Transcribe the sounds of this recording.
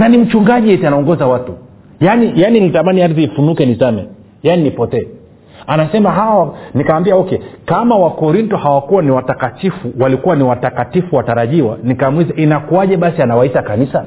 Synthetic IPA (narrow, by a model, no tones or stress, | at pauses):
nanim̩t͡ʃuŋɡaʄiɛtanaɔŋɡɔzawatu | janijaninitamaniaɾθiːfunukɛnisamɛ̰ | janinipɔtɛː | anasɛmaɦawanikawambiaɔkɛkamawakɔɾintɔhawakuwaniwatakatifuwalikuwaniwatakatifuwataɾaʄiwanikamwizaʔinakuaʄɛɓasianawaitakanisa